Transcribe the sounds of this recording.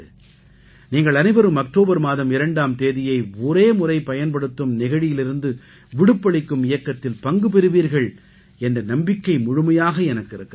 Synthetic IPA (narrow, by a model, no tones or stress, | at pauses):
niːŋɡɐɭɐnɐɪbɐɾɯmɐk̚ʈoːbɐɾmaːðɐmɪɾɐɳɖaːmt̪eːðɪjɐɪɔɾeːmʊrɐɪpɐjɐnpɐɽɯt̪ːɯmnɪɣɐɻɪjɪlɪɾɯnd̪ɯ | ʋɪɽɯpːɐɭɪkːɯmɪjɐkːɐt̪ːɪlpɐŋɡɯpɛɾɯʋiːɾɣɐɭ | ɛndrɐnɐmbɪkːɐɪmʊɻɯmɐjaːɣɐɛnɐkːɪɾɯkː